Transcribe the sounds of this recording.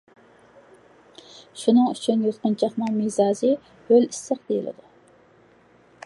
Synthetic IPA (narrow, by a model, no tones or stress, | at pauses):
ʃunɨŋyt͡ʃʰynjot̪qənt͡ʃʰɑχnɨŋmizɑːzɨ | hølisːəqd̪ejilɪ̰d̪u